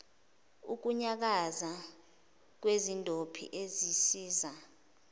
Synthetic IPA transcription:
uk̬uɲak̬aza | k̬wezindʱopʰḭʔezisiːza

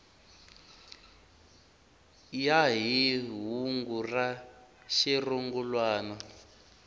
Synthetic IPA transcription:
jaɦiɦuŋɡura | ʃiruŋɡulwaːna

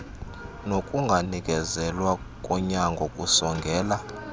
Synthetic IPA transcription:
nokʼuŋɡʱanik̬ʼɛzɛlwa | kʼɔɲaŋɡʱɔkʼusɔŋɡʱɛːla

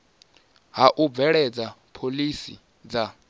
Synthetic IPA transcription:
ɦaʔub̪vɛɺɛd͡zapʰolisḭ | d͡za

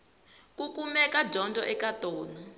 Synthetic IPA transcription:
kukumɛkad͡ʒʱɔndʱʼɔʔɛkatɔːnɔ

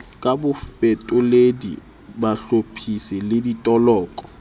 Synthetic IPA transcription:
kʼabʊfɛtʼʊledḭ | baɬopʰisɪlɪditʼɔlɔːkʼɔ̥

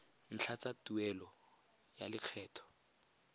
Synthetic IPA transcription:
n̩t͡ɬʰat͡satuɛlɔ | ja̰lɪq͡χʰɛːtʰɔ̥

